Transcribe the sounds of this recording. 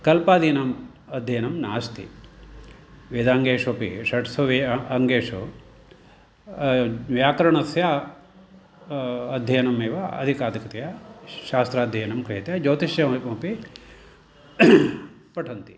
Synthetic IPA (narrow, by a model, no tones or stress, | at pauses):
kɐlpaːd̪iːnɐm | ɐd̪ʱjɐjɐnɐmnaːst̪ʰḭ | ʋeːd̪aːŋɡeːʂopḭʂɐʈsʋɐʋeɐŋɡeːʂu | ʋjaːkɐɾɐɳɐsjaː | ɐd̪ʱjɐjɐnɐmeːʋɐɐ̰d̪ʱikaːd̪ɐkɐt̪ɐjɐʃaːst̪ɾaːd̪ʱjɐjɐnɐmkɾɦit̪jɐd͡ʒoːt̪iʃjɐopi | pɐʈʰɐnt̪i